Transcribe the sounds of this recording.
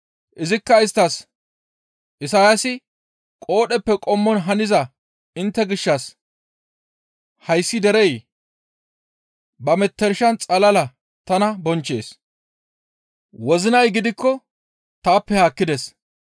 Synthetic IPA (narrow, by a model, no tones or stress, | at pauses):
ʔɪzɪkːɐɪst̪ːɐs | ʔɪsaːjɐsɪ | kʼo̞ːɗɛpːɛkʼɔmːɔnɦɐnɪzɐ | ɪnt̪ːɛɡɪʃːɐs | hɐjsːɪd̪ɛɾɛj | bɐmɛt̪ːɛɾɪʃɐnt͡sʼɐlɐlɐ | t̪ɐnɐbɔnt͡ʃːe̞̰ːs | wɔzɪnɐjɡɪd̪ɪkːɔ | t̪aːpːɛhaːkːɪd̪ɛs